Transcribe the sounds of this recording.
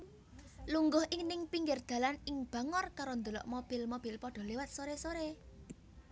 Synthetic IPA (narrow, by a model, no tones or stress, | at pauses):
luŋɡʊhʔɪŋnɪŋpiŋɡɪrd̪̥ä̤lanɪŋb̥a̤ŋɔrkaɾond̪olɔ̰ʔmob̥ɪ̤lmob̥i̤lpɔɖ̥ɔ̤lewat̪̚soɾesoɾe